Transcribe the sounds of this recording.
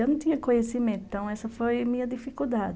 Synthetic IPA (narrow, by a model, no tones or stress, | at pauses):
ɐnɐ̃t̪ĩɲɐkõɲesimẽt̪t̪ɐ̃w̃ɛsɐfojmĩɲɐd̪ifikuwd̪ad͡ʒɪ